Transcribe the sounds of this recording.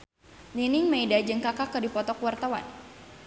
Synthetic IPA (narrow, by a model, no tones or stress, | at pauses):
linɪŋmeidad͡ʒəŋkakakədipɔt̪ɔkuwart̪awa̰n